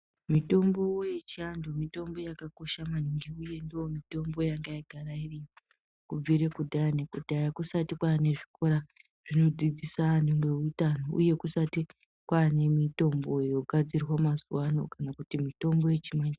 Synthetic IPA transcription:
mito̞mbo̞wjet͡ʃiandomito̞mbo̞jakako̞ʃamaniŋɡiuje̞ndoomito̞mbo̞jaŋɡaiɡʱarairiji | kub͡viɾe̞kudʱajanekudʱajakusatikwaːne̞ʐiko̞ɾa | ʐ̥ino̞d͡zid͡zisanemwe̞utanoṵje̞kusati | kwaːne̞mito̞mbo̞jo̞ɡʱad͡zirwomazuwano̞̰kanakutimito̞mbo̞je̞t͡ʃimand͡ʒi

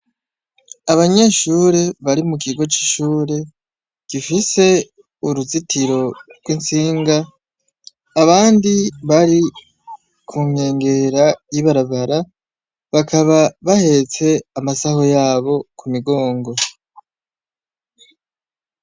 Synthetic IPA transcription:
aβaɲeʃuːɾe̞βaɾimukiɡo̞t͡ʃi̥ʃuːɾe̞ | ɡ̥ifise̞ | uɾuzitiɾo̞ɾɡwint͡siːŋɡa | βaːndiβaɾi | kʰuːŋe̞ːŋɡe̞ɾajiβaɾaβaɾa | βakʰaβaβahe̞t͡se̞amasaho̞jaːβo̞kumiɡo̞ːŋɡo̞

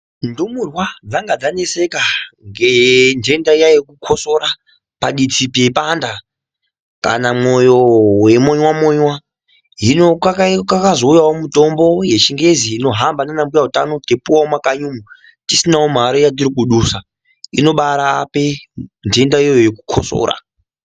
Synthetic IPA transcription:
ndumurwad͡zaŋɡad͡zane̞se̞kaŋɡend͡ʒe̞ndaijajekukʰo̞so̞ɾa | paɗit͡sipepanda | ka̰namojo̞we̞moɲwamoɲwa | ɦinokakkakazoujawomuto̞mbo̞je̞ʃiŋɡe̞ziino̞ɦambananambujaɦutano̞tepuwawomakaɲumu | tisinawom̤aɾojat̬iɾikuɗuːsa | ino̞ɓaɾaːpe̞nd͡ʒe̞ndaijoojekukʰo̰so̰ːɾa̰

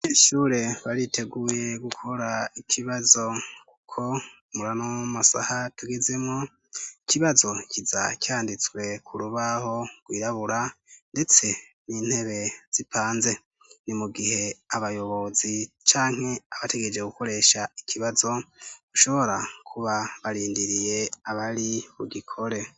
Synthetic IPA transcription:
iʃuːɾe̞βaɾitʰe̞ɡuːje̞ɡukʰo̞ɾaikʰiβazo̞ku̥kʰo̞ | muɾanomasa̰hatuɡeze̞mŋo | ikiβazo̞ciza̰cʲjaːndit͡swe̞kʰuɾuβaho̞ɡ̥wiːɾaβuɾande̞t͡se̞ | niːn̥he̞βe̞z̥ipʰaːnze̞ | nimuɡiɦe̞aβajo̞βo̞zi | t͡ʃaːŋ̥he̞aβate̞ɡed͡ʒe̞ɡuko̞ɾe̞ʃaikʰiβazo̞ɡ̥uʃo̞βo̞ɾakʰuβaβaɾiːndiɾije̞aβaɾiβuɡikʰo̞ɾe̞

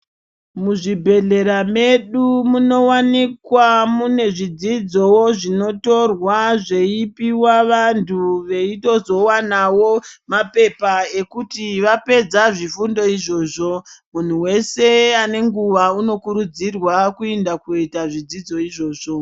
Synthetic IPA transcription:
muʐibʱe̞ɮe̞ɾame̞ɗumuno̞wanikwamune̞ʐid͡zid͡zo̞woʐino̞to̞rwaʐe̞ipiwaʋantʰuʋe̞ito̞zo̞wanawomape̞pae̞kutiʋape̞d͡zaʐifundo̞iʐo̞ːʐo̞mun̤uwe̞se̞ane̞ŋɡuʋauno̞kuɾud͡zirwakuendakitaʐid͡zid͡zo̞iʐo̞ːʐ̥o̞

